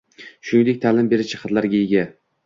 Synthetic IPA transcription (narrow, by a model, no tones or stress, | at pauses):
ʃʊnɪŋd̪ek̚ʲt̪ʰalɪmbe̞ɾɪt͡ʃʰɪ̥qʰɑt̪laɾɡʲajeɡʲa